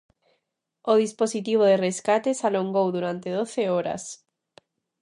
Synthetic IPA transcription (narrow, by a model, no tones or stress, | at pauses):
oðisposit̪iβ̞oðereskat̪esaloŋɡowðuɾant̪eðoθeoɾa̰s